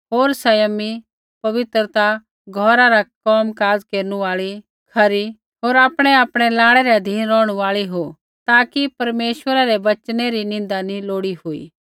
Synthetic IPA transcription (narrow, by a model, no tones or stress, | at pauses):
ɦoːɾsɐjəmi | pɐʋɪt̪ɾət̪a | ɡʱɔːɾaɾakɔːmkaːd͡zkeːɾnũaːɭi | kʰɐɾi | ɦoːɾaːpɽ̃ɛaːpɽ̃ɛlaːɽ̃ɛɾɛɐd̪ʱiːnɾɔːɽ̃uaːɭiɦo | t̪aːkipɐɾmeːʃʋəɾaɾɛʋɐt͡ʃneɾinɪ̃nd̪aniloːɽihʊḭː